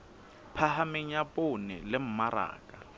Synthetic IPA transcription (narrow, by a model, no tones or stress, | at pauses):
pʰahamɪɲ̩apʼʊnɛ̰lɪm̩maɾa̰ːkʼa